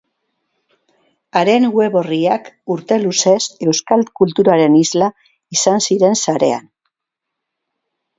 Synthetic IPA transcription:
aɾe̞nwe̞βo̞riakuɾt̪e̞luse̞se̞wskalkult̪uɾaɾe̞nizla | isansiɾe̞nsaɾe̞̰a̰n

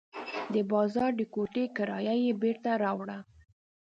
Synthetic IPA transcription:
d̪əbɑzɑɾd̪əkoʈekaɾɑjajebeɾt̪aɾɑwɽa

